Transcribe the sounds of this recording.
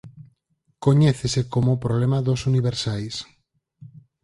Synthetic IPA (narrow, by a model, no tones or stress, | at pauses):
koɲɛθesekomopɾoβlemaðosuniβ̞eɾsajs